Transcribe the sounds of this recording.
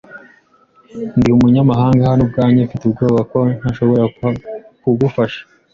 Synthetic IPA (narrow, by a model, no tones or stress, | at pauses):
ndiumuɲamaɦaːŋɡahanub̚ɡaːɲaufitubɡoːβako̞n̥haʃo̞βo̞ɾa | kuɡufaʃḁ